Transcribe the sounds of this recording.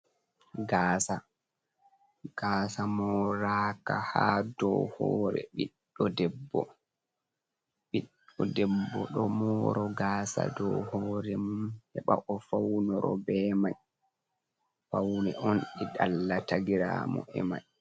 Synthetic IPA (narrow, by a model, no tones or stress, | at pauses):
ɡaːsa | ɡ̥aːsamɔɔːɾaːkahadɔhɔːɾɛ̰ɓiɗːɔdɛbːɔ | ɓiɗɔdɛbːɔɗɔmɔːɾɔɡaːsa̰dɔhɔːɾɛmumhɛɓaʔɔfawnɔɾɔbɛːmaj | fawnɛʔɔnɗɛɗalːataɡiɾaːmɔ̰ʔɛma̰j